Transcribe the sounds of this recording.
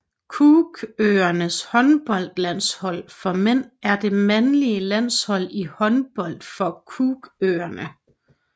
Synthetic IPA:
kʰuːɡ̥øɐnəshɒ̽nb̥ɒ̽l̰d̥læn̰shɒ̽l̰fɒ̽men̰æɐd̥e̝mænliəlæn̰shɒ̽l̰ihɒ̽nb̥ɒ̽l̰d̥fɒ̽kʰuɡ̥øːɐnə

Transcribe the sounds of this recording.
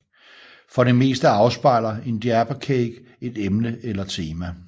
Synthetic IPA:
fɒ̽ɾe̝me̝̰ːsd̥əɑ̈ʊsb̥ɑ̈ɪ̰lɐe̝nd̥iæb̥ɐkʰeːɡ̥ | e̝d̥emnəʔelɐt͡sʰe̝ːmæ

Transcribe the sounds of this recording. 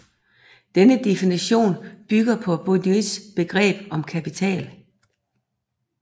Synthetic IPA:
d̥enəd̥efiniɕo̝̰ːnb̥yɡ̥ɐpʰɒ̽b̥oni̥sb̥e̝ɡ̥ʁɛ̰ːb̥ɒ̽mkʰæpit͡sʰɛ̰ːl

